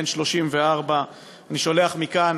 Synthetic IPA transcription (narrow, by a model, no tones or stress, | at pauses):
nʃlo̞ʃimveaʁba | aniʃo̞leaχmikan